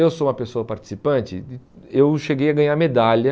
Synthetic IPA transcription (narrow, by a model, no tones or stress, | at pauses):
ewsoũmɐpesoɐpaɾt͡ʃi̥sipɐ̃t͡ʃɪ̰ | ewʃeɡejɐɡɐ̃ɲaɾmed̪alɐ